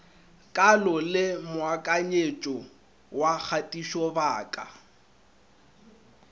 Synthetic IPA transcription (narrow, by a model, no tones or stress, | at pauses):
kʼalɔlɪmʊakʼaɲet͡ʃʼɔ | wak͡xʰatʼiʃɔbaːkʼa